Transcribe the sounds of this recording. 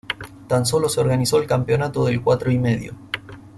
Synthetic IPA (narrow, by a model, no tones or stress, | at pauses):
t̪ans̬o̞lo̞seo̞ɾɣaniso̞elkampjo̞nat̪o̞ðelkwat̪ɾoimeðjo̰